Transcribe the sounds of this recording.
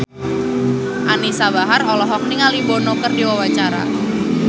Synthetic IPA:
ʔanisabaɦarɔlɔɦɔk̚niŋalibɔnɔkərdiwawat͡ʃaɾa̰

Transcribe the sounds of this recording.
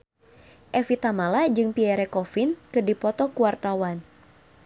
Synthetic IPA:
ʔɛfit̪amalad͡ʒɨŋpiɛɾɛkɔfinkɨdipɔt̪ɔkuwart̪awan

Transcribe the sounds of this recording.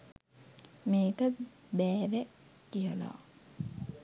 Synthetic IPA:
meːkə | bɛːʋɛ | kːijɐla̰ː

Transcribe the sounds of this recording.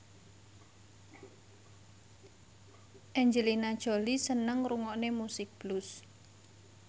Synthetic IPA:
ʔɛɲd͡ʒəlinad̥ʒ̥o̤lisənəŋruŋɔʔnemusɪk̚b̥lʊs

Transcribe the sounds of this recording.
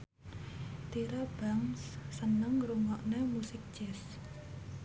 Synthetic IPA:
t̪iɾab̥aŋsːənəŋɾuŋɔʔnemusɪk̚d̥d͡ʒ̥ɛs

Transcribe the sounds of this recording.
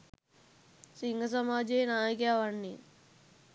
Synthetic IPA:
siŋɡʱəs̬əmaːd͡ʑeːnaːjəkjaʋaɳːḭ

